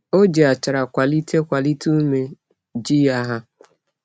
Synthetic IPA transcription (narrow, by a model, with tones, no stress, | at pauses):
o˦d͡ʒe˨a˨t͡ʃa˨ɾa˨kʷa˨li˦tʰe˦kʷa˨li˦tʰu˦me˨ | d͡ʒi˦ja˦ɦa˦